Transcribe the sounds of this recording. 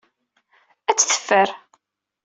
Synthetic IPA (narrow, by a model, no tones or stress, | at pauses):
æt͡sːθə̥fːəɾ